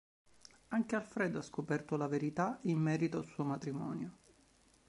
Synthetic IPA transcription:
aŋkealfɾɛːd̪oaskopɛrt̪olaveɾit̪aimːɛːɾit̪oalsuːomat̪ɾimɔ̰ːnjo

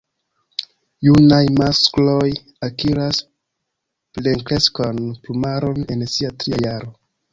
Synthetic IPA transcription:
junajmasklo̞j | akiɾas | ple̞ŋkle̞skanplumaɾo̞ne̞nsiatɾiajaɾo

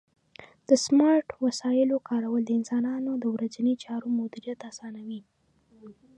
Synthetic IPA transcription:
d̪̥əsmɑɾʈwasɑjɪlokɑɾawəld̪əɪnsɑnɑnod̪əwɾazanit͡ʃɑɾomʊd̪ɪɾijat̪asɑnawi

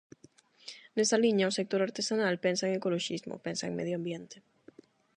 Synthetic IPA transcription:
nesaliɲaosek̚t̪oɾaɾt̪esanalpɛnsaeŋekoloʃizmo̰pɛnsaḛ̃ŋmḛðjoambjent̪e̥

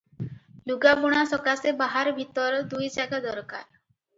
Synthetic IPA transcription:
luɡabuɽ̃asɔkasebaɦaɾbʱit̪ɔɾɔd̪ujd͡ʒaɡad̪ɔɾka̰ɾ

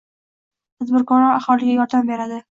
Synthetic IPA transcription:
t̪ʰad̪bɪɾkɒɾɒaχɒlˠɪɡʲajɒɾd̪ambe̞ɾad̪ɪ

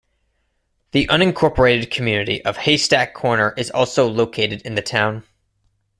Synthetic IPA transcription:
ðiʔʌ̃nɨ̃nkʰɔɹpə˞eɪɾɨd̚kʰmjʉnɨɾḭʔʌv̥heɪstækʰːɔɹnə˞ʔɨzɔ̰lˠsoʊloʊkʰeɪɾɨɾɨ̃nðɨtʰãʊ̃n

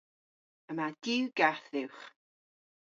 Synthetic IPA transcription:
əmad̥ɪwɡaθɪwχ

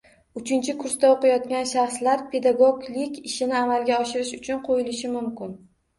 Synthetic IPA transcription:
ʊt͡ʃʰɪnt͡ʃʰɪkʰʊɾsd̪aoqɨjɒt̪̚kʲanʃaχslaɾpʰe̞d̪aɡoɡlɪkʲɪʃɪnɪamalˠɡʲaɒʃɪɾɪʃʊt͡ʃʰʊnqʰojɪlɪʃɪmʊmkʲɪn

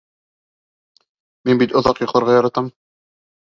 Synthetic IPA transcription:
minbit̪ŏðɑqjŏqlˠɑɾʁɑjɑɾɑt̪ɑm

